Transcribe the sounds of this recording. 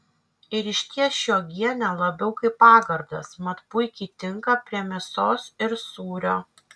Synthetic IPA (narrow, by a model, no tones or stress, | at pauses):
ɪɾɪʃʲt̪ʲiɛʃʲoːɡʲiɛnʲɛlˠɐbʲɛʊkɐɪpːɑːɡɐɾd̪ɐ̰smɐt̪pʊɪkʲiːt̪ʲɪŋkɐpʲɾʲiɛmʲɪsoːsɪɾsuːɾʲoː